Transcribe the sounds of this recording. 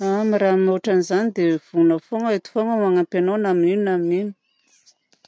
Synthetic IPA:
amiramoʈ͡ʂanizanid̪ev̥unəfoŋaet̪u̥foŋəmaŋampenonaminininaminini̥

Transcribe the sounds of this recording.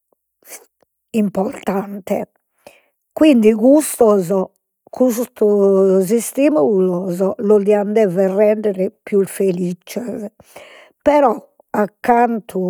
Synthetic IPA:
impɔɾt̪ant̪ɛ | kwind̪iɣust̪ɔzɔ | kʰust̪uzist̪imulɔzɔlɔðiand̪ɛvɛrɛɳɖ̪ɛɾɛpjufelit͡ʃɛz | pɛɾɔ | akːant̪ʰu

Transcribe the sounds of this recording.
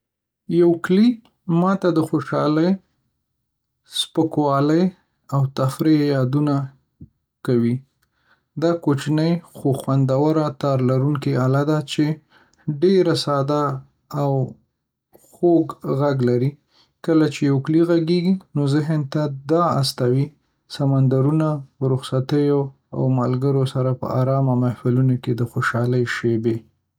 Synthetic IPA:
jawkli | mɑt̪ad̪əxoʃɑ̰ləj | spəkwɑləj | awt̪afɾejɑd̪una | kawi | d̪ɑkot͡ʃnəjxoxwand̪awaɾat̪ɑɾlaɾuŋkialad̪at͡ʃe | ɖeɾasɑd̪aː | w | xoɡɣaɡlaɾi | kəlat͡ʃejowkliɣaɡeɡinozɪɦənt̪ad̪ɑast̪awi | samand̪aɾunaəɾʊxsat̪əjo | a̰wmalɡəɾosaɾapə̰ɑ̰ɾɑmamahfɪlunoked̪əxoʃɑləjʃebe

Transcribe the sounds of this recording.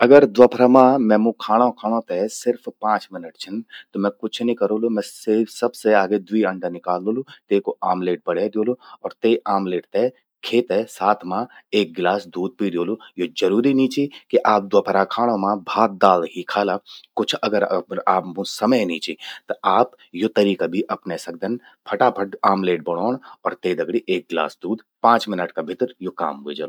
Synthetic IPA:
ɐɡəɾd̪wəpʰɾamãmɛ̃ːmũkʰaːɽ̃õkʰaːɽ̃õt̪esɪɾfpãːt͡ʃmɪnəʈt͡ʃʰɐnt̪omɛ̃kʊt͡ʃʰnĩkɐɾoːlomɛ̃sesɐbseaːɡed̪wiɐ̃ɳɖənɪkaːloːlot̪eːkoaːmleːʈ̚bɐɽ̤ed̪joːloɔːɾt̪eːaːmleːʈt̪e | kʰeːt̪esaːt̪ʰmãeːk̚ɡlaːsd̪uːd̪̚pid̪joːlojod͡ʒɐɾuːɾiniːt͡ʃikiʔaːp̚d̪wapʰɐɾaːkʰaːɽ̃õmãbʱaːt̪̚d̪aːlɦikʰaːlakʊt͡ʃʰɐɡəɾaːpmũsɐməjniːt͡ʃet̪ɐaːp | jot̪ɐɾiːkabʱiʔɐpnesɐɡ̚d̪ən | pʰɐʈapʰɐʈaːmleːʈ̚bɐɽ̃oːɽ̃ɔːɾt̪eːd̪ɐɡɽiʔeːk̚ɡla̰ːsd̪uːd̪ | pãːt͡ʃmɪnəʈkabʱɪt̪ɾjoka̰ːmɦʊed͡ʒa̰ːlo

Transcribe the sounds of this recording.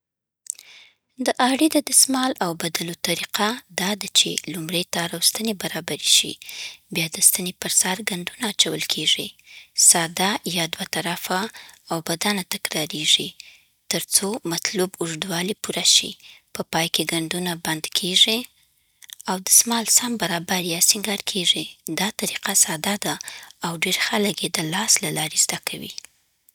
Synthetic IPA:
d̪əʔɑɽid̪əd̪əsmɑlawbad̪alot̪aɾiqad̪ɑd̪at͡ʃḛlumɽejt̪ɑɾawst̪ənebaɾɑbaɾiʃḭbjɑd̪əst̪ənepəɾsaɾɡaɳɖunaːt͡ʃawəlkʰeʐḭsɑd̪ajɑd̪wat̪aɾafaːwbad̪anat̪akɾɑɾeʐi | t̪əɾt͡somat̪lubʊʐd̪wɑlipuɾaʃḭpəpɑjkeɡaɳɖunaband̪kʰeʐi | awd̪əsmɑlsambaɾɑbaɾjɑsiŋɡɑɾkʰeʐid̪ɑt̪aɾiqasɑd̪ad̪aːwɖeɾxalaɡed̪əlɑslalɑɾezd̪akʰawḭ

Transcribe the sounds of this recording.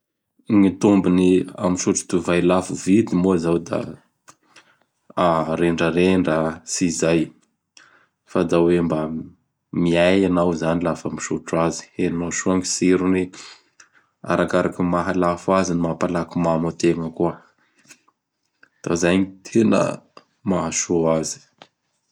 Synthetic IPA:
ŋit̪umbinia̰miʃuʈ͡ʂu̥t̪uvajlafuvid̪imozawd̪a̰ | aɾeɳɖ͡ʐəɾeɳɖ͡ʐəsizaj | fad̪awemba | miajanawzanilafamiʃuʈ͡ʂazi̥enaʃuaŋisiɾuni | a̰ɾakaɾakumaɦalafazinimapalakumamət̪eŋəkuə | d̪̥a̰zajɲit̪ʰenə̰ | maɦaʃoazi̥

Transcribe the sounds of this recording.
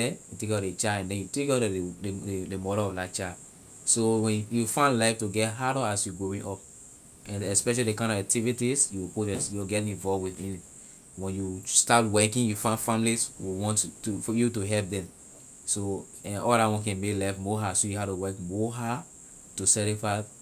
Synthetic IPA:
ɛutekɔet͡ʃaɛ̃ndɛ̃njutekɔ | demɔɾolɔflat͡ʃad | sowɛ̃njufãndlaɪftuɡɛtɦaɾɔasjuɡowĩnʔɔp | ɛ̃nɛspɛʃalidekãɪ̃ndɔvak̚tʰivitisjuwipoɛ̃sjuwɡɛtnĩnvɔlvwiθĩn | wɛ̃njustatwɛkĩŋjufãndfãmliswiwɔ̃nttufɔjutuɦɛlp̚dɛ̃m | so | ɛ̃nɔldatwɔ̃nkɛ̃nmeklaɪvmoɦasojuɦatuwɛkmoɦa | tusɛɾifas

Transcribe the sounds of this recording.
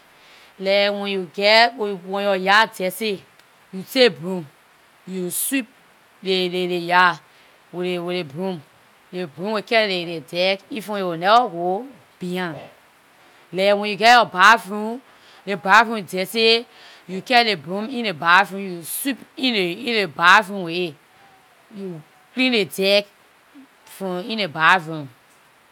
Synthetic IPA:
lɛwɛ̃njuɡɛwɛ̃jɔjadɛse | jutebũm | jusip̚ | leleɾeja | weɾeweɾebɾũm | lebɾũwekɛleɾedɛkifõeonɛwɔwo | b̥iã | lɛwɛ̃njuɡɛɔbavɾũ | lebavũdɛse | jukɛɾlebũmĩnebavũjusupĩneĩnebavũwe | ju | klĩnledɛk | fɔ̃ĩnebavɾũm

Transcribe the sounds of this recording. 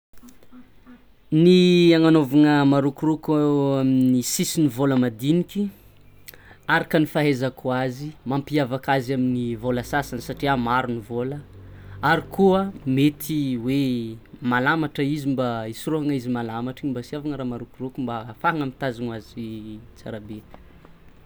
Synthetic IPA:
niaŋanovaŋəmaɾukurukaaminisisinivoləmad̪inikʲi | aɾakənifaɦezakuazimampiavakazaminivolasasansaʈ͡ʂiamaɾunivoləaɾikuəmet̪ʰiwemalamaʈ͡ʂəizimbaisuroaŋizimalamaʈ͡ʂiimbasiavaŋəɾaːmaɾukurukumbafaaŋamit̪azanazit͡sa̰ɾabe

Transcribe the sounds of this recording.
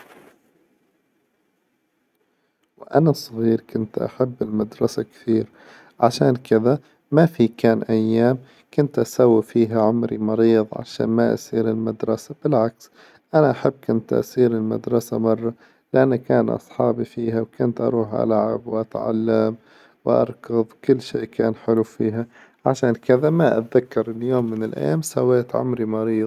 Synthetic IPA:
wʔanasˤːɑɣiːɾkʊnt̪ʔa̰ħabːɪlmad̪ɾˤɑsakθiːɾ | ʕaʃaːnkɪða | mafikaːnʔajːaːm | kʊnt̪ʔasawːifiːɦaʕʊmɾimɑɾiːðˤʕa̰ʃa̰ːnmaʔa̰siːɾɪlmad̪ɾˤɑsab̥ɪlʕaks | ʔanaʔaħɪbːkʊnt̪ʔa̰siːɾɪlma̰d̪ɾˤɑsamɑrˤːɑ | lɪʔanːakaːnʔɑ̰sˤħɑːbifiːhawkʊnt̪ʔɑ̰ɾˤuːħʔa̰lʕabwʔat̪ʕa̰lːam | wʔɑ̰ɾˤkɑðˤwkʊlːʃeːʔkaːnħɪlufiːɦa | ʕaʃaːnkɪðamaʔat̪ðakːɑɾˤɪljoːmːɪnɪlʔa̰jːaːmsawːeːt̪ʕʊ̰mɾimɑɾiːðˤ

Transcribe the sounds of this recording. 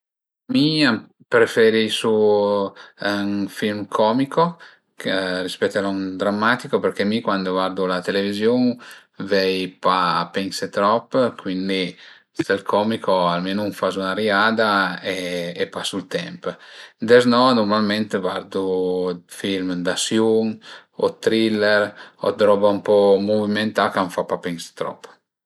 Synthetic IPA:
miam | pɾefeɾisu | aŋfilmkʰɔmiko | krispɛt̪ːeɾɔŋd̪ɾamːat̪ikopeɾkɛmikwand̪ovaɾd̪ulat̪elevizjoŋ | vɛjpaːpɛnset̪ɾɔpːkʰwind̪i | st̪ɛlkʰɔmikʰoalmenuŋfazunaɾiaːd̪aeːpasːult̪ɛmpd̪ɛznɔnuɾmalmɛnt̪evaɾd̪ufilmd̪asjuŋɔt̪ɾilɛɾɔ̰d̪ɾɔbaumpɔmoviment̪akaɱfapapɛŋse̥t̪ɾɔ̰pː

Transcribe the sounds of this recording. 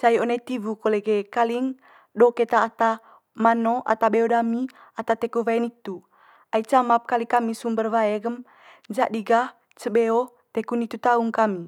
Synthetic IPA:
t͡ʃajonet̪ivukoleɡɛkaliŋ | doket̪aːt̪a | manoʔa̰t̪abeodami | at̪at̪ekuvaɛnit̪u | ait͡ʃamap̚kalikamisumbərvaeɡəm | d͡ʒaʔdiɡah | t͡ʃəbeo | t̪ekunit̪ut̪auŋkami

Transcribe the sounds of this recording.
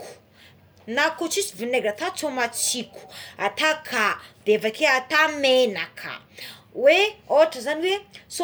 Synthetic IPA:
ku̥ | nakot͡sisivineɡat̪at͡somat͡siku̥at̪akʰad̪evakeat̪amenakʰə̰ | weoaʈ͡ʂəzaniweso

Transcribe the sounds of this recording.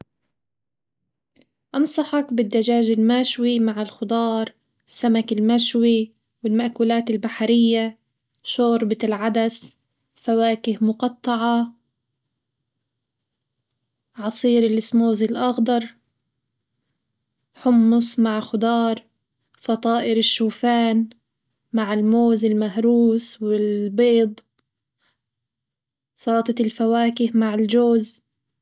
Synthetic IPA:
ʔɑnsˤɑħɑkbɪd̪ːaʒaːʒɪlmaːʃwimaʕɪlxʊd̪ˤɑːɾˤ | ɪsːamakɪlmaʃwi | wɪlmaʔkuːlaːt̪ɪlbaħaɾɪjːa | ʃoːɾbɪɪlʕad̪as | fawaːkɪhmʊqɑt̪ˤːɑʕɑ | ʕɑsˤiːɾɪlʔɪsmoːzɪlʔɑɣd̪ɑɾˤ | ħʊmːʊsmaʕxʊd̪ˤɑːɾˤ | fɑt̪ˤɑːʔɪɾɪʃːuːfaːn | maʕɪlmoːzɪlmaɦɾuːswɪlbeːd̪ˤ | sɑːt̪ˤɑt̪ɪlfawaːkɪhmaʕɪld͡ʒoːz

